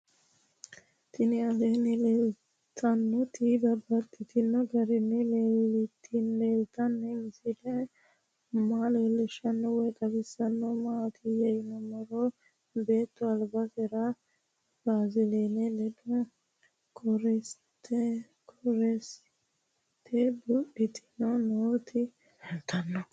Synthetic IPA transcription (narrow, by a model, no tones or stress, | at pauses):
t̪ɪnɪɐleːnɪlel | t̪ʰɐnːɔt̪ib̪ɐbːɐt̪ːɪt̪ɪnːɔɡɐɾɪnːɛleːlɪt̪ʰːɪnleːlt̪ɐnːɛɪsɪlɛ | maːleːlːɛʃɐnːɔwɔjk̪ʼɐbɪsːɐnːɔmaːt̪ʰɪjɛjɪnɔmɐɾɔ | beːt̪ːɔɐlbɐsɛɾɐ | baːzɪleːnɛlɛd̪ɔ | kʰɔɾɛs | t̪ːɛ | kʰɔɾɛs | t̪ʰɛbʊʔɪt̪ɪ̥nɔnoːt̪ʰɪ | hɛlt̪ɐnːɔ